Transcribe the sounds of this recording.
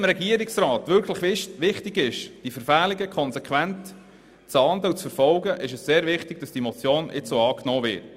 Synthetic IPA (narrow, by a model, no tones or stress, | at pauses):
mɾɛɡiəɾɪksrɑːt̪ʋʏɾkʰləχɪʋɪχtɪɡɪʃd̥ifəɾfæːliɡəkʰɔnsɛkχʋænt | t͡sɑnd̪əut͡sfəɾfɔlɡəʔɪʃəsseːɾvɪχtɪɡ̥̚d̥ɑsd̥imɔt͡sjoːnɪ̰t͡ssoːɑːknoːvɪ̰ːt